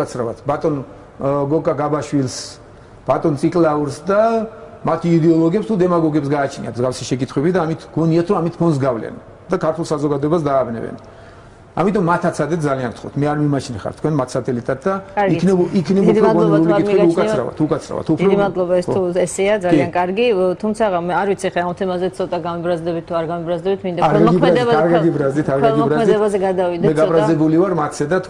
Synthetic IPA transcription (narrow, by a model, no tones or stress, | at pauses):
kʼat̪sʰɾavat̪ʰbat̪ʼɔn | ɡɔkʼaɡabaʃwilˠs | b̥at̪ʼɔnt̪sʼikʼlˠauɾsd̪a | mat̪ʰiid̪ɛɔlˠɔɡiɛpst̪ʰud̪ɛmaɡɔɡɛps̬ɡaːt͡ʃʰnḭat̪ʰzɡafsiʃɛkʼit̪ʰχwɛbid̪aːmit̪ʰɡ̥ɔniat̪ʰɾɔamit̪ʰpʰɔnsɡavlɛ̰n | d̪akʰaɾt̪ʰulˠsazɔɡad̪ɔɛbasd̪aːbnɛ̰bɛ̰n | amit̪ʼɔmːat̪ʰat̪sʰad̪ɛt̪̚d̪zaliankt̪ʰχɔ̰t̪ʰmɛaɾmimat͡ʃʰnɛχa̰ɾt̪ʰkʰwɛnmat̪ʰsat̪ʼɛlit̪ʼat̪̚d̪akʼaɾɡinɛikʰnɛupd̪ʰɾɔd̪ɔɾuliikʰɛk̪ukʼasʰɾa̰va̰t̪ʰukʼat̪sʰɾa̰va̰t̪ʰup̪d̪ʰɾɔd̪iimad̪lˠɔbaɛst̪ʰuɛsɛad̪zaliiankʼaɾɡit̪ʰumt̪sʰaamɛaɾvit̪sʰiχɛamt̪ʰɛmazɛt̪sʰɔt̪ʼaɡamɛbɾazd̪ɛbit̪ʰːuaɾɡamɛbɾazd̪ɛbit̪ʰmind̪aaɾʰɛlamɔɡʰmɛd̪ɛaɾɡaɡibɾazd̪it̪ʰaɾɡɛalˠɡiɔɾazmɛd̪ɛbazɛɡad̪avid̪ɛmɛɡabɾazzɛbulivaɾmat̪ʰsɛd̪at̪ʰ